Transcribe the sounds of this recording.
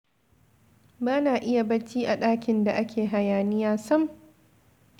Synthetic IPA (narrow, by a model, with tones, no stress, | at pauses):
baː˦naː˨ʔɪ˦ja˨bɐ˦t͡ʃiː˦ʔa˨ɗaː˦kʲɪ˨nda˨ʔa˦kʲʰeː˨ɦa˨jaː˨nɪ˦jaː˦sɐ˦m